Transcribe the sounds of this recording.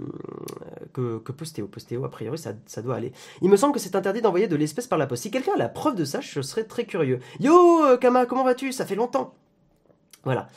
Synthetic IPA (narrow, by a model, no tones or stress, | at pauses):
kəkəpɔst̪eopɔst̪eoa̰pχijɔʁisa̰sad̪waːlḛ | ilməsɑ̃bləkəsɛt̪ɛ̃t̪ɛʁd̪id̪ɑ̃vwajed̪əlɛspɛspaʁlapɔst̪sikʲɛlkʲɛ̃ala̰pχœvd̪əsaəsəʁɛt̪χɛkʲyʁjøjokamakɔmɑ̃vat̪ysafɛlɔ̃t̪ɑ̃ | vwala̰